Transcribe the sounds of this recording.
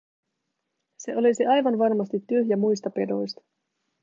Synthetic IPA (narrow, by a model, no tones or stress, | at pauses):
se̞ʔo̞lisiʔɑjʋɑnʋɑrmɑst̪it̪ːyɦjæmujst̪ɑpe̞do̞jst̪ɑ̥